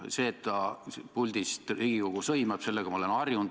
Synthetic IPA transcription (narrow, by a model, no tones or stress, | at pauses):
se̞ːt̪ːɑpulʲd̪̥ist̪riːɡ̥iko̞ɡ̥usɤjmɑb̥se̞lːeɡ̥ɑmɑle̞nɑrjund̪